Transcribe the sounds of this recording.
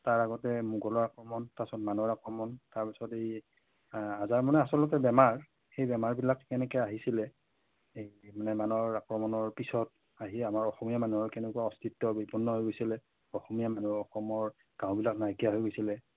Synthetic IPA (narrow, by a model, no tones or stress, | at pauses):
taɹaɡɔtɛmuɡɔlɔɹakɹɔmɔntasɔtmanɔɹakɹɔmɔntaɹpisɔtej | azaɹmɔnɛasɔlʊk̬ɛbɛmaɹ | xejbɛmaɹbilakːɛnɛkɛaɦisilɛ | ejmanɛmanɔɹakɹɔmɔnɔɹpisɔt̚ | aɦiamaɹɔxɔmijamanuɦɔɹkɛnɛkuwaɔstʰitːɔbipɔnːɔɦojɡojsilɛ | ɔxɔmijamanuɔxɔmɔɹ | ɡ̥ãʊ̃bilaknajkijaɦojɡojsilɛ